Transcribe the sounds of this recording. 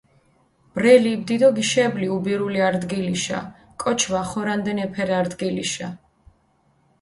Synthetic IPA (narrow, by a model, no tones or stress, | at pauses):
b̥ɾɛlibd̪id̪ɔɡiʃɛbliubiɾuliaɾd̪ɡiliʃa̰ | kʼɔt͡ʃʰvaχɔɾand̪ɛnɛpʰɛɾaɾd̪ɡiliʃa